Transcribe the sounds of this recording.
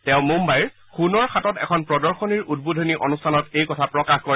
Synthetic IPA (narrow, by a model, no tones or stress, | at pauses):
tɛʊ̃mumbajɹ | xunɔɹxatɔtɛ̰kʰɔnpɹɔdɔɹxɔniɹud̚budʱɔniʔonustʰanɔtejkɔtʰapɹɔkaxkɔɹ